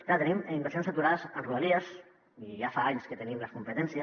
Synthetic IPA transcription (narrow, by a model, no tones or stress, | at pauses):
klat̪ənimimbəɾsjonsət̪uɾaðəzənruəliəs | iʒafaaɲskət̪ənimləskumpət̪ɛnsiə